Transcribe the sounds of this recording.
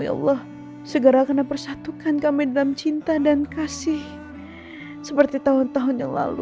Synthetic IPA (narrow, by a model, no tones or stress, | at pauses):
j̰ʔɑ̰lːɑh | səɡəɾakənapərsat̪ukankamidalamt͡ʃint̪adankasɪh | səpərt̪it̪aɦʊnt̪aɦʊnjaŋla̰lṵ